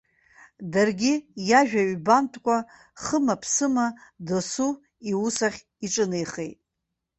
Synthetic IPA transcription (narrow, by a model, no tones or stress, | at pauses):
darɡʲɪjaʒᶣaɥbantʰʼkʷʼa | χəmapʰsɨmadosu | iwusaχʲ | iʈ͡ʂʼɨnejχḛjtʼ